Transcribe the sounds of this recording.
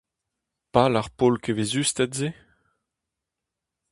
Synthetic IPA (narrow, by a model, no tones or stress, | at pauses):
palaʁpolkʰevezyst̪ɛtze